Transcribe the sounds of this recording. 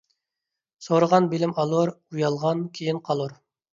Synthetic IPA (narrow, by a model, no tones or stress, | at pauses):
soɾʁɑnbɪlɪmɑlˠuɾujɑlˠʁɑnkʲʰijinqʰɑlˠuɾ